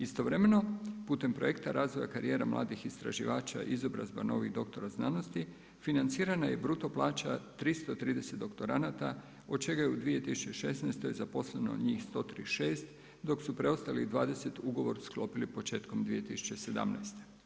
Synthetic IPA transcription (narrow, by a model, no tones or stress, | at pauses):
ist̪o̞ʋɾe̞me̞no̞puːt̪e̞mpɾo̞je̞kt̪aɾaːzʋo̞jakaɾije̞ːɾa̰mlʔa̰ːd̪ixist̪ɾa̰ʒiʋaːt͡ʃa̰ʔizo̞bɾa̰zbano̞ʋiɣd̪o̞kt̪o̞ɾaznaːno̞st̪i | finant̪siːɾanaje̞bɾut̪o̞plˠaːt͡ʃat̪ɾist̪ot̪ɾiːd̪e̞set̪d̪o̞kt̪o̞ɾanat̪a | o̞d̪t͡ʃe̞ɡajeud̪ʋije̞t̪isu̥t͡ʃeʃe̞snajst̪oje̞zapo̞sleno̞̰ɲiːxst̪o̞t̪ɾḭʃe̞ːst̪ | d̪o̞ksupɾe̞o̞st̪aliɣd̪ʋaːd̪e̞se̞t̪uɡo̞ʋo̞ɾsklo̞pilipo̞t͡ʃe̞ːt̪ko̞md̪ʋije̞t̪isu̥t͡ʃe̞se̞d̪a̰mna̰jst̪e̞̥